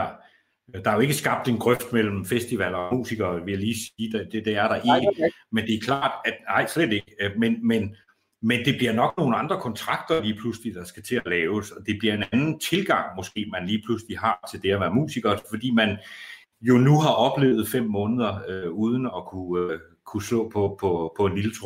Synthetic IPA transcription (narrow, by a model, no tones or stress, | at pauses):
d̥ɑ̈æjoe̝ɡ̥əsɡ̥ɑ̈b̥̚d̥e̝nɡ̥ʁœfd̥mel̰m̩fesd̥iʋæl̰ɒmṵːsiɡ̥ɐːʋe̝jæliːsiːd̥d̥ed̥eæɐɾ̥ɑ̈ʔe | mend̥e̝æɐkʰlɑ̰̈ːd̥æ̥nɑ̈ɪ̰sled̥e̝ɡ̥əmenmen | mend̥e̝b̥liɐnɒ̽ɡ̥no̝ːn̩ɑ̈nd̥ʁɐkʰɒ̽nt͡sʰʁɑ̈ɡ̥̚d̥ɐliːpʰluslid̥ɑ̈sɡ̥æt͡sʰe̝ælɛːʊsɒ̽d̥e̝b̥liɐe̝nænn̩t͡sʰe̝lɡ̥ɑ̈ŋ̰mɒ̽sɡ̥e̝̰ːmænliːpʰlusliɦɑ̈t͡sʰe̝ld̥e̝æʋæːɐmṵːsiɡ̥ɐfɒ̽d̥ḭːmæn | jo̝nuɦɑ̈ʔɒ̽b̥le̝ːʊð̞̩ˠfem̰mːɔ̽ːnəð̞ˠɐøuːð̞ˠən̩ɒ̽kʰuø | kʰuslɔ̰ːpʰɒ̽pʰɒpʰɒ̽e̝nlilt͡sʰʁ